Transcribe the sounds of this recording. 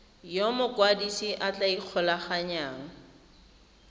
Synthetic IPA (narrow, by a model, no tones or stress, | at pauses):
jomʊkwadisiʔat͡ɬʼaiq͡χʰɔlaχaɲaːŋ̩